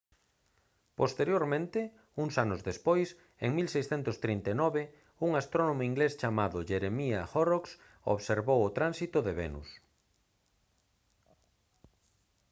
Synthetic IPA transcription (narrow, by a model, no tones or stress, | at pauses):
post̪eɾjoɾmẽnt̪ɪ | uŋsanʊzðespojs | ḛŋmilsejsθɛnt̪ʊst̪ɾint̪enɔβɪ | uŋast̪ɾonomʊiŋɡlest͡ʃamaðʊʒeɾemiaxoroks | o̰βseɾβowʊt̪ɾansit̪ʊðeβḛnṵs